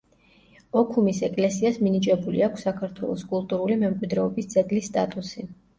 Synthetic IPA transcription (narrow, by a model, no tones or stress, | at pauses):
ɔkʰumisɛkʼlɛsiasminit͡ʃʼɛbulḭakʷʰsːakʰaɾt̪ʰwɛlˠɔskʼulˠt̪ʼuɾulimɛmkʼwid̪ɾɛɔbisd̪zʼɛɡ̪lisːt̪ʼat̪ʼusi